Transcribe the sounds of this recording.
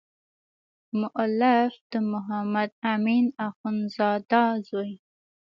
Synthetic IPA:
mʊʔlafd̪̥əmʊɦamad̪aminaxʊnzɑd̪ɑzoj

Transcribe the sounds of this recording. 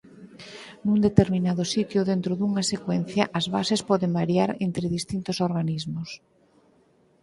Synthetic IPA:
nund̪et̪eɾminaðʊsit̪jʊðent̪ɾʊðuŋasekwen̟θjɐʔɐzβa̰sespɔðembaɾjaɾent̪ɾɪðist̪int̪ʊsoɾɣanizmʊs

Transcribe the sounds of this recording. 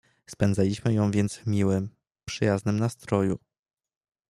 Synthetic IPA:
spɛnd̪zalʲiɕmɘjɔ̃w̃vʲjɛnt̪svmʲiwɘm | pʂɘjaznɘmnast̪ɾɔjṵ

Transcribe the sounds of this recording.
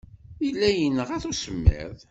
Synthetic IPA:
ilːæjənːəʁæθusəmːḛðˤ

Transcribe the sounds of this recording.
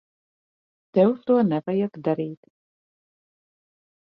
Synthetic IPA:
t̪ɛwst̪uɔnɛvajakd̪aɾiːt̪

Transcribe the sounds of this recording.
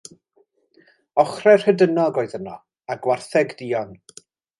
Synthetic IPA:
ɔχrɛr̥hədənɔɡoːɨðənɔ | aɡwarθɛɡd̥iːɔn

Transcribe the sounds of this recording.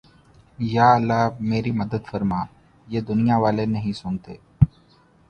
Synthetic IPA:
jaːəlːaːmeːɾiməd̪əd̪fəɾmaː | jeːd̪ʊnɪjaʋaːleːnəɦĩsʊ̃nt̪ḛː

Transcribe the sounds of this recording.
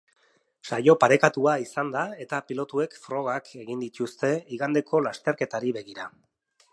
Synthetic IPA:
ʃajo̞paɾe̞kat̪uaisand̪ae̞t̪apilo̞t̪ue̞kfɾo̞ɣ̞ake̞ɣind̪it̪ust̪e̞iɣand̪e̞kʰo̞last̪e̞ɾke̞t̪aɾiβe̞ɣiɾa

